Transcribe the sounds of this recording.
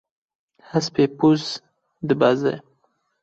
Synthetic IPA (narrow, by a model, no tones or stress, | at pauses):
haspepuz | d̪əbaza̰j